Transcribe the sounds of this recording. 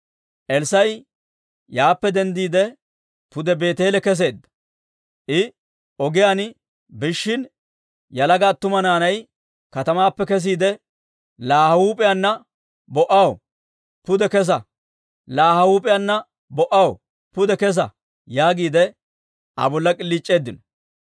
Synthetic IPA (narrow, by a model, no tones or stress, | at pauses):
ʔɛlsɐj | jaːpːɛd̪ɛnd̪iːd̪ɛ | pʊd̪ɛbe̞ːt̪eːlɛkɛs̬e̞ːd̪ːɐ̥ | ʔɪ | ɔɡɪjaːn | bɪʃːɪn | jɐlɐɡaːt̪ːʊmɐnaːnɐj | kɐt̪ɐmaːpːɛkɛs̬iːd̪ɛ | laːhɐwuːpʼɪjanːɐ | bɔʔɐw | pʊd̪ɛkɛs̬ɐ | laːhɐwuːpʼɪjanːɐ | bɔʔɐw | pʊd̪ɛkɛs̬ɐ | jaːɡiːd̪ɛ | ɐ̰bɔlːɐkʼɪlːiːt͡ʃʼːe̞ːd̪ːɪnɔ